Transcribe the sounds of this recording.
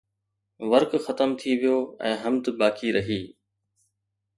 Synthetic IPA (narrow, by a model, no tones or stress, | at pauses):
ʋɐɾkxɐt̪əmt̪ʰiʋijoːɛ̰̃ːɦɐmd̪baːkʰiɾɐɦiː